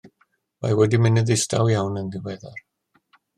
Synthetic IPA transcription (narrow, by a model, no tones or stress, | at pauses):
ma̰jwɛdimɪnɪðɪstʰa̰wjawnənðɪwɛðar